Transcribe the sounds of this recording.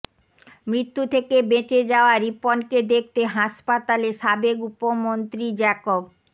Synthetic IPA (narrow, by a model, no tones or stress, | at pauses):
mɾit̪ːut̪ʰekebet͡ɕed͡ʑaoaɾiponked̪ek̚ʰt̪eɦaʃpat̪aleʃabekupomont̪ɾid͡ʑɛkob